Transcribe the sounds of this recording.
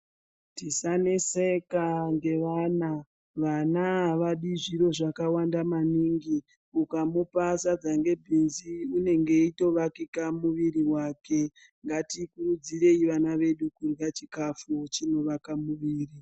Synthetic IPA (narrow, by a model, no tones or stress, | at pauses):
tisanesekaŋɡe̞ʋana | ʋanaʋaɗiʐiɾo̞ʐakawandamaniŋɡi | ukamupasad͡zaŋɡe̞bʱinziune̞ŋɡe̞ito̞ʋakikamuʋiɾiwake̞ | ŋɡatikurud͡zire̞iʋanaʋe̞ɗukurɣat͡ʃikafut͡ʃino̞ʋakamuʋiːri